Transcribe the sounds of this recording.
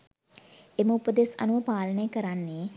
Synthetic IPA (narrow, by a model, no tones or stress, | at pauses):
eməupəd̪esa̰nuʋəpaːlənəjəkəɾanːeː